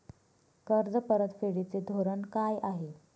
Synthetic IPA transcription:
kəɾd͡zəpəɾət̪feɽit͡sed̪ʱoɾənkajʔaɦe

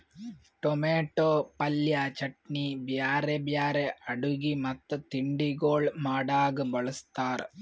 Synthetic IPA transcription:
ʈomeːʈːoːpɐljaːt͡ʃɐʈɳibjaːɾebjaːɾeɐɽuɡimɐt̪ːɐt̪iɳɖiɡoːɭmaːɽaːɡɐbɐɭɐst̪aːr

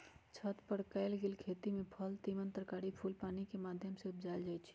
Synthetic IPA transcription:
t͡ʃʰət̪pəɽkaɪlɡeːlkʰet̪imẽpʰəlt̪imənt̪əɾəkaɽipʰuːlpaːnikemaːd̪ʱjəmseʊp̚d͡ʒald͡ʒaːjt͡ʃʰi̥

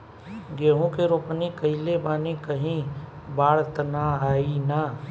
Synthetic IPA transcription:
ɡeːɦõkeɾoːpnikɐɦilebaːnikəɦĩ | baːɽt̪naaːina

